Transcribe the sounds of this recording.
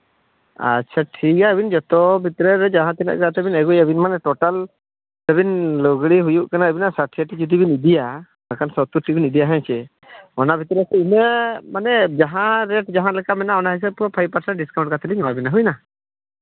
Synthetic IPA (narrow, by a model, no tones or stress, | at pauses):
a̰tːt͡ʃʰaʈʰikaəbind͡ʒɔt̪ɔbʱit̪ɾɛɾɛd͡ʒaɦãt̪ɛnɛ̰ʔkat̪ɛbinɛɡujabinmanɛʈɔʈal | t̪ɛbinlɔɡɽiɦujuʔkanaəbinasaʈʰiaʈid͡ʒud̪ibinid̪ija | akansɔt̪uʈibinid̪ijaɦɛ̃t͡ʃʰɛ | ɔnabʱit̪ɾɛsɛimɛmanɛd͡ʒaɦãɾɛʈd͡ʒaɦãlɛkamɛnaɔnaɦis̬əb̚kɔpʰajpaɾsɛɳʈ̚ɖiskaw̃ɳʈkat̪ʰɛliɲɔmabinaɦujna